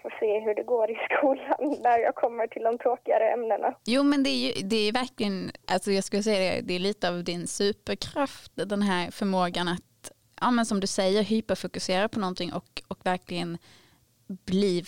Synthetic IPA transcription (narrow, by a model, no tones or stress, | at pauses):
foːseːɦɵɖɛɡoːɾɪskuːlanːæɾjɑ̰ɡkʰɔmːəʈʰɪld̪ɔmt̪ʰɾoːkɪɡa̰ɾəɛmnəna̰juːmɛnd̪ɛæjɵd̪ɛæjɵvæɾklɪənʔalsɔjɑɡskɵləsɛjːad̪ɛ̰d̪ɛːliːt̪əɑvd̪ɪnsʉ̟ːpəɾkʰɾaft̪d̪ɛnɦæːɾfœɾmoːɡanat̪ | ʔɑːmɛnsɔmd̪ɵsɛjːəɾɦyːpafʊkɵseːɾapʰɔnɔnt̪ʰɪŋʔɔkɔkvæɾklɪɡən | b̥liː